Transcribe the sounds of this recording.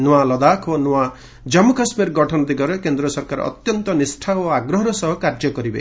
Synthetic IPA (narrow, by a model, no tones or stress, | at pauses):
nuwalɔd̪akʰonua | d͡ʒɔmɔkasmeɾɡɔʈʰɔnɔd̪iɡɔɾekend̪ɾɔsɔɾkaɾ̰ɔ̰t̪jɔnt̪ɔnisʈʰaoaɡɾɔɦɔɾɔsɔɦɔkaɾd͡ʒɔkɔɾibḛ